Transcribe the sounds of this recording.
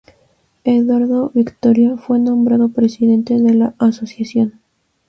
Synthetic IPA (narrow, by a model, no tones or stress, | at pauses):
eðwaɾðo̞βikt̪o̞ɾjafwe̞nõ̞mbɾaðo̞pɾe̞siðe̞nt̪e̞ðe̞laʔaso̞sjasjo̞n